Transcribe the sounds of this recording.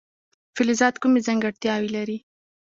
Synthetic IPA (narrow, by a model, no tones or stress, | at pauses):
fɪlɪzɑd̪kumezaŋɡaɽt̪jɑwilaɾi